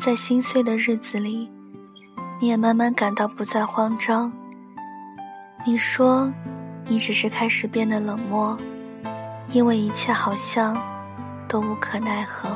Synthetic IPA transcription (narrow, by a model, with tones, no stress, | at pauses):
t͡sa˥˩ɪɕi˥nswe˥˩ɪd̪ə˩ɻɻ̩˥˩t͡sɹ̩˨˩li˨˩ | ni˧˥jɛ˨˩ma˥nma˧˥nka˨˩nt̪ɑ˥˩ʊpu˧˥t͡sa˥˩ɪxwɑ˥ŋʈ͡ʂɑ˥ŋ | ni˨˩ʂwɔ˥ni˧˥ʈ͡ʂɻ̩˨˩ʂɻ̩˥˧kʰa˥ɪʂɻ̩˨˩pjɛ˥˩nd̪ə˩lɤ˨˩ŋmwɔ˥˩ | i˥nwe˥˩ɪi˧˥t͡ɕʰjɛ˥˩xɑ˨˩ʊɕjɑ˥˩ŋ | t̪o˥ʊu˧˥kʰɤ˨˩na˥˩ɪxɤ˧˥